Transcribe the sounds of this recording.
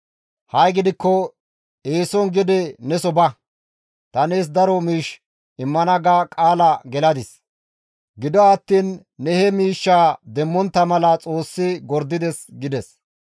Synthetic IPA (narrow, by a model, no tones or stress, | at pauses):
hɐjɡɪd̪ɪkːɔ | eːsɔnɡɪd̪ɛnɛsɔbɐ | t̪ɐneːs̬d̪ɐɾɔmiːʃ | ɪmːɐnɐɡakʼaːlɐɡɛlɐd̪ɪs | ɡɪd̪ɔɐt̪ːiːnː | ɛhɛmiːʃːaːd̪ɛmːɔnt̪ːɐmɐlɐt͡sʼo̞ːsːɪɡɔɾd̪ɪd̪ɛsɡɪd̪ɛs